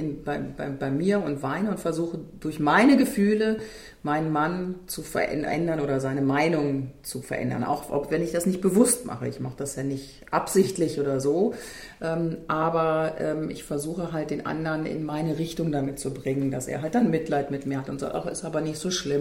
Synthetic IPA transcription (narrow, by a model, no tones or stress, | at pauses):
b̥ɪnb̥aɪbaɪbaɪmiːɐʊntv̥aɪnəʊntfɛɐzuːxədʊɐçmaɪnəɡəfyːlə | maɪnnmant͡sufɛ̰ɐʔɛ̰ʔɛ̰ndɐnʔoːɾɐzaɪnəmaɪnʊŋənt͡sufɛɐʔɛ̰ndɐ̰nʔa̰ʊxpvɛnɪçd̥asnɪçt̚b̥əvʊstmʔa̰χə̰ɪ̰çmaχəd̥asjaːnɪçt | ʔapz̥ɪçtlɪçʔoːdɐzoː | ʔɛːmʔaːbɐʔɛːmʔɪ̰çfɛɐzuːxəɦalt̚d̥eːnʔa̰ndɐnɪ̰nmaɪnəʁɪçtʊŋdamɪt̚t͡subʁɪŋəndasʔḛːɐɦalt̚d̥anmɪtlaɪtmɪtmiːɐhatʊntz̥a̰ːtʔa̰χɪ̰stʔaːbɐnɪçtz̥oːʃlɪm